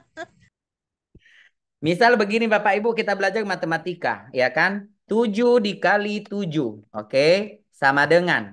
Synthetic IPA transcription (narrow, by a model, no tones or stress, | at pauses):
misalbəɡinibapaibukit̪abəlad͡ʒarmat̪əmat̪ika̰jakant̪ud͡ʒudikalit̪ud͡ʒuoke | samadəŋan